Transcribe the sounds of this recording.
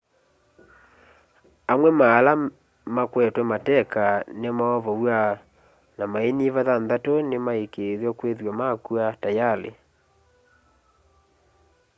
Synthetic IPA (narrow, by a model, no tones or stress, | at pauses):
amwɛmaːla | makwɛtwɛmatɛkanemaɔvɔwa | namaeniβaðanðatonemaekeðjɔkweðwamakuatajalḛ